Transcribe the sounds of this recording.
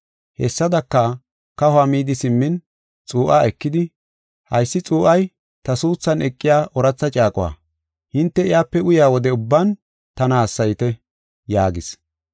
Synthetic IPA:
hɛsːɐd̪ɐkːɐ | kɐhʊamiːd̪ɪsɪmːɪn | t͡sʼuːʔaɛkːɪd̪ɪ | hɐjsːɪt͡sʼuːʔɐj | t̪ɐsuːt͡sːɐnɛkʼːɪjaːʔɔɾɐt͡sːɐt͡ʃʼaːkʼʊwa̰ː | hɪnt̪ːɛɪjaːpːɛʊjaːwɔd̪ɛʊbːɐn | t̪ɐnaːsːɐjt̪ɛ | jaːɡɪs

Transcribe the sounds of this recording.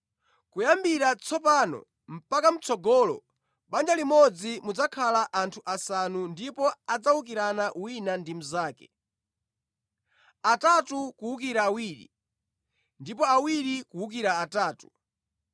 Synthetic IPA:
kujambiɾat͡sʰɔpaːnɔ̰ | m̩pakam̩t͡sʰɔɡɔːlɔ̰ | ɓand͡ʒalimɔd͡zimud͡zakʰalaʔantʰuʔasanundipɔad͡zawuk̬iɾanaʔuwinandimuzaːkɛ̰ | atatukuwukiɾaːwiːɾḭ | ndipɔawiɾikuwukiɾaːtaːtu̥

